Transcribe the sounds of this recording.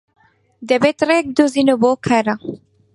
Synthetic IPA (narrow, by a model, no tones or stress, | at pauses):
d̪ɛbet̪rek̚d̪uzinobokʰɐɾa